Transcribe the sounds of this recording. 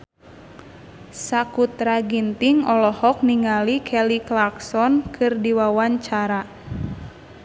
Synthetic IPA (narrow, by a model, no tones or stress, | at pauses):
sakut̪ɾaɡint̪iŋɔlɔhɔk̚niŋalikʰɛliklaksɔnkʰɨrdiwawaɲt͡ʃaɾa